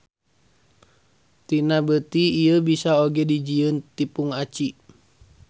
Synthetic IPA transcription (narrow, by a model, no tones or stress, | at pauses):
t̪inabət̪iːjəbisaoɡɛdid͡ʒiənt̪ipuŋat͡ʃi